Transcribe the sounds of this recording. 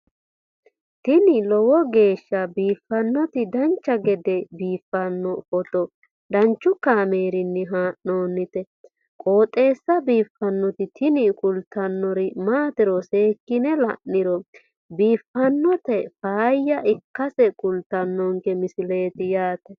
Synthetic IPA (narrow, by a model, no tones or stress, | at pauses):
t̪ɪnɪlɔwɔɡe̞ːʃːɐbiːfːɐnːɔt̪ɪd̪ɐnt͡ʃːɐɡɛd̪ɛbiːfːɐnːɔfɔt̪ɔ | d̪ɐnt͡ʃːʊkaːmeːɾɪnːɛɦaːʔoːnːɪt̪ɛ | kʼo̞ːt̪ʼe̞ːsːɐbiːfːɐnːɔt̪ɪt̪ɪnɪkʼʊlt̪ːɐnːɔɾɪmaːt̪ɪɾɔse̞ːkːɪnɛlɐ̰ʔːɪɾɔ | biːfːɐnːɔt̪ɛfaːjːɐʔɪkːɐsɛkʼʊlt̪ɐnːɔŋkɛmɪsɪle̞ːt̪ɪjaːt̪ɛ